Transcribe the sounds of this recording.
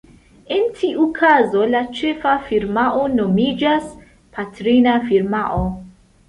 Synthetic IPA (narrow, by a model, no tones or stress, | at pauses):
e̞ntʰiʔukʰazo̞lat͡ʃe̞fafiɾmaʔo̞no̞mid͡ʒas | pʰatɾinafiɾmaʔo